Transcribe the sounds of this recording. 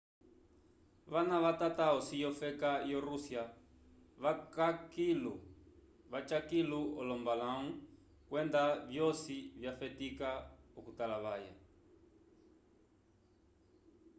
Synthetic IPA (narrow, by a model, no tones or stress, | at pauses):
ʋanaʋatataɔsijɔfɛkajɔɾusja | βakakilu | βat͡ʃakiluɔlɔmbalaŋu | kwɛndavjɔsivjafɛtikaɔkutalaβaja̰